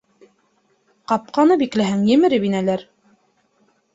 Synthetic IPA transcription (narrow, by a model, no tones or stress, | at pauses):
qɑp̚qɑnɤbiklæɦæŋjɘ̆mɘ̆ɾɘbinælæɾ